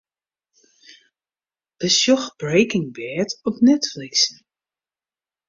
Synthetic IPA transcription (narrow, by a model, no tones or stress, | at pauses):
b̥əsjɔxbɹejkɪŋbɛːtɔpnɛtfliksn